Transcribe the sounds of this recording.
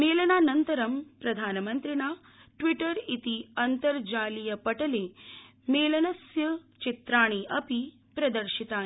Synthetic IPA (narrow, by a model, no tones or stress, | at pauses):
meːlɐnaːnɐnt̪ɐɾɐmpɾɐd̪ʱaːnɐmɐnt̪ɾiɳaː | ʈʋiʈɐɾit̪iɐnt̪ɐɾd͡ʒaːlijɐpɐʈɐleː | meːlɐnɐsjɐt͡ʃit̪ɾaːɳ̃iʔɐpi | pɾɐd̪ɐɾʃit̪aː